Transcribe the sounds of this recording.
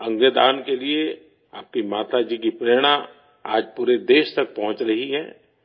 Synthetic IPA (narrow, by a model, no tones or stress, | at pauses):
ɐ̃ŋɡed̪aːnkelie | aːp̚kimaːt̪ad͡ʒiːkipɾeːɽ̃ã | aːd͡ʒpuːɾed̪eːʃt̪ɐk̚pɐɦʊ̃t͡ʃɾɐɦiɦɛ̰ː